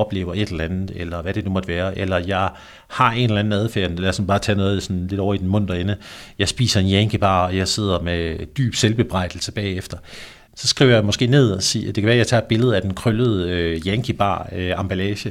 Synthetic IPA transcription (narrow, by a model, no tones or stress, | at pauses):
ɒ̽b̥le̝ːʊɐe̝d̥elɐlænð̩ˠelɐʋæɐd̥ed̥umɒ̽d̥ʋæːɐʔelɐjɑ̈ɪ | hɑ̈e̝nelæn̩æð̞ˠfæɐ̰nlæsɒnb̥ɑ̈ːt͡sʰɛ̰ːnɔ̽ːð̩ˠsɒ̽nle̝ɾ̥ɒʊɐid̥enmɔ̽n̰d̥æe̝nəjɑ̈ɪsb̥ḭːsɐe̝njæŋkʰib̥ɑ̰̈ːɒ̽jɑ̈ɪse̝ð̞̰ˠɐmed̥y̰ːb̥selb̥e̝b̥ʁɑ̈ɪd̥l̩səb̥ɛ̰ːefd̥ɐ | sɒ̽sɡ̥ʁiʊ̰ɐjämɒ̽sɡ̥e̝̰ːne̝ð̞̰ˠɒsḭd̥e̝kʰæʋæːɐjɑ̈ɪt͡sʰɑ̈ed̥̚b̥e̝ləð̞̩ˠæd̥enkʰʁøləð̞̩ˠəøjæŋkʰib̥ɑ̰̈ːøɑmb̥ælɛːɕə